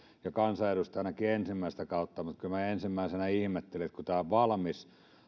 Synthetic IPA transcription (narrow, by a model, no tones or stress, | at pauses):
jɑkɑnsɑerust̪ɑˑnɑkiensimːæˑist̪ækɑˑut̪ːɑmut̪kylmæensimːæˑisenæihmet̪ːeliet̪kut̪æːoʋʋɑlmis